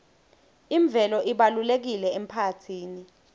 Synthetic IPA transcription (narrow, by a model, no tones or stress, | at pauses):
iɱb̪vʱɛlɔʔiɓalulek̬ilɛem̩pʰatʰiːni